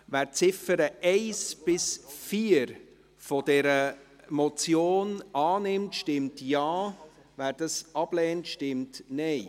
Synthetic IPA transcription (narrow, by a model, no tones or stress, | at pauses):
væːɾt͡sɪfəɾəʔɛɪsb̥ɪsfiəɾ | fod̥ɛɾə | mɔt͡sjoːnɑːnɪmtʃtɪmtjɑː | væːɾd̥ɑsɑb̥lɛːntʃtɪmtnɛɪ